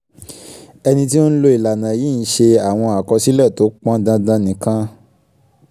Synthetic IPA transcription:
ɛ˧nĩ˧t̬i˦o˦n̩˦lo˧i˨la˨nã˨jiː˦˨n̩˨˦ʃe˧a˨w̃ɔ̃˧a˨kɔ˧si˦lɛ˦˨to˨˦k͡pã˦dã˧dã˧nĩ˨kã˧˦

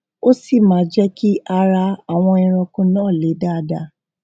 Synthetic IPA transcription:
o˦si˦˨mãː˨˦d͡ʒɛ˦ki˦ʔa˧ɾa˧a˨w̃ɔ̃˧ĩ˧ɾ̃ɔ̃˧kũ˧nãː˦˨le˨˦da˦˨˦da˧

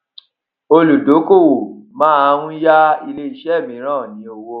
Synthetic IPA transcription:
o˧lu˨do˨˦ko˦˨wo˨mãː˦a˧˦ɾũ˦ja˦i˧le˧˦i˨ʃɛ˦˨mĩ˨˦ɾ̃ãː˦˨jĩ˨˦o˧wo˦

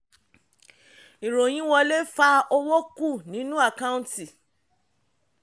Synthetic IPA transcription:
i˨ɾo˨j̃ĩ˨˦wɔ˧le˦fa˧o˧wo˦ku˦˨nĩ˨˦nũ˦a˦˨ka˦ũ˦ti˨

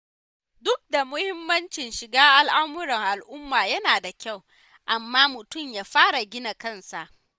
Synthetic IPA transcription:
dʊ˦k̚da˨mʊ˦hɪ˦mːɐ˦nt͡ʃɪ˨nʃɪ˨ɡaː˦ʔa˨lʔa˦mʊ˦ɾɐ˨ŋʔa˨lʔʊ˦mːaː˨jɐ˦naː˨da˨kʲa˦˨w | ʔa˨mːaː˦mʊ˨tʊ˦˨mjaː˦ɸaː˦ɽa˨ɡʲɪ˦na˨kɐ˦nsa˨ʔ

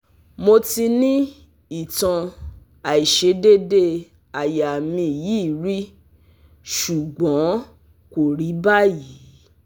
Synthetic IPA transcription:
mo˧ti˧nĩ˦ | i˨tã˧ | a˨i˨ʃe˧de˦de˦ | a˨ja˨mĩ˧˨ji˦˨ɾi˦ | ʃu˨ɡ͡bɔ̃˨˦ | ko˨ɾi˨˦ba˦ji˨˦

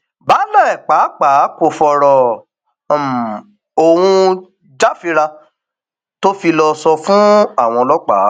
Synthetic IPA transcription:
ba˨˦lɛ˦˨k͡pa˨˦k͡pa˨˦ko˨˧˨fɔ˧ɾɔ˨ | o˧wũ˧ | d͡ʒa˦fi˧ɾa˧ | to˦fi˧lɔ˧sɔ˧fũ˦a˦˨w̃ɔ̃˧lɔ˦k͡pa̰˨˦

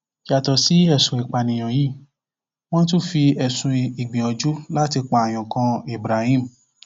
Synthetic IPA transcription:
ja˨tɔ˧si˨˦ɛ˦˨sũ˨i˨k͡pa˨nĩ˨j̃ã˨jiː˦˨ | w̃ɔ̃˦t̬u˦fi˧ɛ˨sũ˧i˨ɡ͡bĩ˨ɔ˧d͡ʒu˦la˦ti˧k͡pa˨a˨j̃ɔ̃˨kã˧i˨bɾa˨hĩ˦˨m̩˨

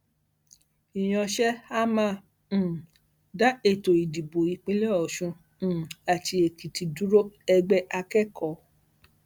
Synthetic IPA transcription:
i˨j̃ɔ̃˧ʃɛ˦a˦mãː˦˨ | da˦e˦˨to˨i˨di˨bo˨i˧k͡pĩ˦le˦ɔ˨ʃũ˧˨ | a˨tʰi˧e˨ki˨ti˨du˦ɾo˦ɛ˧ɡ͡bɛ˦ʔa˧kɛ˦kʰɔ˨˦

